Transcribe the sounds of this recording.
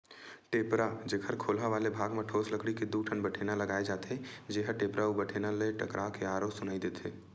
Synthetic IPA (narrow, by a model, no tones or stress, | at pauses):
ʈeːpɾad͡ʒeːkʰəɾkʰoːlɦaʋaːlebʱaːɡmẽʈʰoːsləkɽiked̪uʈʰənbəʈʰeːnaləɡaːed͡ʒaːt̪ʰed͡ʒeɦəʈeːpɾaubəʈʰenaleʈəkɾʔaːkeaːɾosʊnaːid̪eːt̪ʰeː